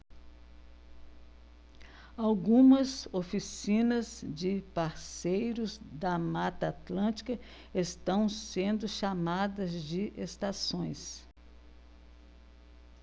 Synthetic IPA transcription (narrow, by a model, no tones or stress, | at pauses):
awɡũmɐzofisĩnɐzd͡ʒɪpaɾsejɾʊzd̪ɐmat̪ɐat̪lɐ̃t͡ʃi̥kɐ | est̪ɐ̃w̃sẽnd̪ʊʃamad̪ɐzd͡ʒɪʔest̪asõj̃s